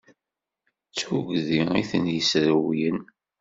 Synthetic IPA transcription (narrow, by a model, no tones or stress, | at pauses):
t͡sːuɡðiiθənjəsɾəwijən